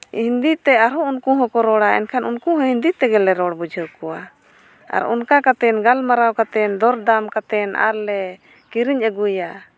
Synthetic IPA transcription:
hind̪it̪ɛaɾɔunkuɦɔ̃kɔɾɔɽaʔɛ̰nkʰanunkuɦɔ̃ɦind̪it̪ɛɡɛlɛɾɔɽbud͡ʒʱəwkɔwa | a̰ɾɔ̰nkakat̪ɛnɡalmaɾawkat̪ɛnd̪ɔɾd̪amkat̪ɛna̰ɾlɛ | kiɾiɲəɡuja

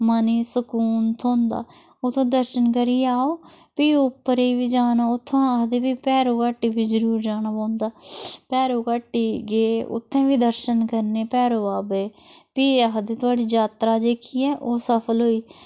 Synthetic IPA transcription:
məniːsəkuːnt̪ʰõːnd̪a̰ː | ot̪ʰːõːd̪əɾʃənk̬əɾiːaːoː | piːʊpːəɾeːʋiːd͡ʒaːnaːʊt̪ʰːãːɦd̪eːbiːpɛːɾoːkaːʈːiːbiːd͡ʒəɾuːɾd͡ʒaːnaːpãːnd̪aːpɛːɾoːkaːʈːiːɡeːʊ̰t̪ʰːẽːʋiːd̪əɾʃənkəɾneːpɛːɾoːaːbeːpiːəɦd̪eːt̪ʊaːɖiːd͡ʒaːt̪ɾaːd͡ʒeːkʰiːɛːʔoːsəpʰəlɦoːiː

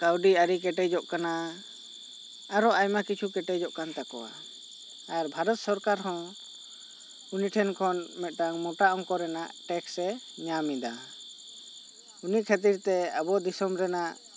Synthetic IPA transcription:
kawɖiaɾik̬ɛʈɛd͡ʒɔʔkana | aɾɔajmakit͡ʃʰukɛʈɛd͡ʒɔʔkant̪akɔ̰wa̰ | ajaɾbʱaɾɔt̪sɔɾkaɾɦɔ̃ | uniʈʰɛnkʰɔnmɛt̪̚ˀʈaŋmɔʈaʔɔŋkɔɾɛnaʔʈɛksɛ | ɲamid̪a | uniʔkʰat̪̬iɾt̪ɛabɔd̪isɔmɾɛnaʔ

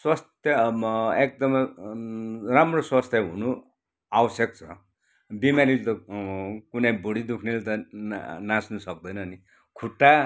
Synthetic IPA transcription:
swast̪jʌek̚d̪ʌm | ramroswast̪ʰjʌɦṵnu | awʌsjʌk̚t͡sʰʌ | bimalilt̪ʌ | kunejboɽid̪ukʰnelt̪ʌnãsnusʌk̚d̪ʌjnʌni | kʰuʈːa

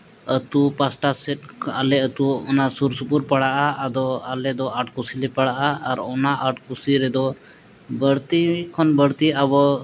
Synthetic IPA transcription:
ət̪upasʈasɛʈ̚a̰lɛət̪uɔnasuɾsupuɾpəɽaʔaːd̪ɔalɛd̪ɔʔaʈkusilɛpəɽaʔaːɾɔnaʔəʈkusiɾɛd̪ɔ | bəɽt̪ikʰɔnbəɽt̪iabɔ

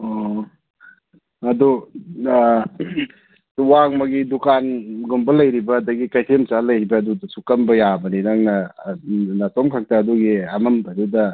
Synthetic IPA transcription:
ɔ | ɐdu | waŋmɐɡidukanɡumbɐlɐjɾibɐːdɐɡikajtʰemt͡ʃalɐjhibɐːdudɐsukɐmbɐjabɐnidaŋnɐ | natɔmkʰak̚taːduɡiamɐmbdudɐ

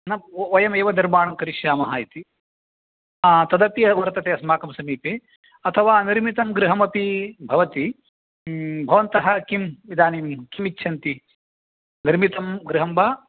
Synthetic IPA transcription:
nɐʋɐjɐmeːʋɐd̪ɐɾmaːɳɐmkɐɾiʃjaːmɐɦaːjit̪i | t̪ɐd̪ɐpiɐʋɐɾt̪ɐt̪eːɐsmaːkɐmsɐmiːpeː | ɐt̪ʰɐʋaːniɾmit̪ɐmɡɾiɦɐmɐpibʱɐʋɐt̪i | bʱɐʋɐnt̪ɐɦɐkimʋid̪aːniːmkimitːʃʰɐnt̪i | niɾmit̪ɐmɡɾiɦɐmbaː

